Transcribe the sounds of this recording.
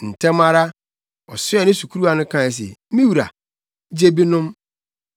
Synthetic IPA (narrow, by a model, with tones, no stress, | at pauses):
n̩˨tʰɛ̃˦ma˦ɾa˦ | ɔ˨sʊ˦ɛ˦nɪ̃˦su˨kʰu˦ɾu˦a˦nʊ̃˦kʰãː˦˨s̬ḛ˨mĩ˦wu˨ɾa̰˨˦ | d͡ʑe˦bi˦nʊ̃˦m